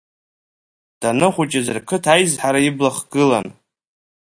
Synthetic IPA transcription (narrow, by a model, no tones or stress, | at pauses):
d̥anɨχʷut͡ʃʼazɨrkʰɨtʰajzħaɾaiblaχɡ̥ɨla̰n